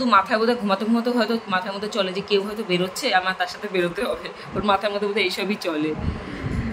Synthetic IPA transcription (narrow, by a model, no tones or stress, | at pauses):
d̪umat̪ʰaebod̪ʱaɡʱumat̪oɡʱumat̪oɦɔet̪omat̪ʰaemod̪ʱat͡ɕɔled͡ʑekewɦɔjt̪obeɾotːɕʰeamat̪aɾʃat̪ʰebeɾot̪eɦɔbe | oɾmat̪ʰaeɾmɔt̪ʰobod̪ʱaejʃɔbit͡ɕɔle